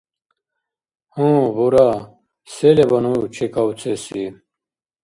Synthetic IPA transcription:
hũːbuɾa | selebɐnut͡ɕʰikawt͡sʰesi

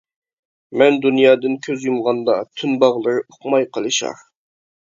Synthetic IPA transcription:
mɛnd̪unjɑːd̪ɨnkʲʰøzjumʁɑnd̪ɑt̪ʰynbɑʁlˠɨɾɨoqmɑjqʰəlˠɨʃɑ̰ɾ

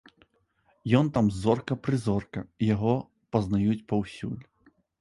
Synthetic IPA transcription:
jɔnt̪amzɔrkɐpɾɨzɔrkɐijaɣɔ | pɐznajut͡sʲpɐwsʲṵlʲ

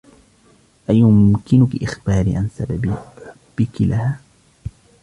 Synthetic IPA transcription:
ʔajʊmkɪnʊkɪʔɪxbaːɾḭʕansababb̥ɪkɪlʔahaː

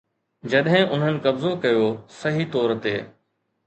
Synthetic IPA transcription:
d͡ʑɐɗɦɪ̃ʊn̤ənɪ̆kɐbzokɐjosɐɦit̪ɔːɾt̪eː

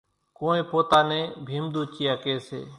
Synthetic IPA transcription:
koːẽːpoːt̪aːnẽːbʱiːmd̪uːt͡ʃiːaːkeːsḛː

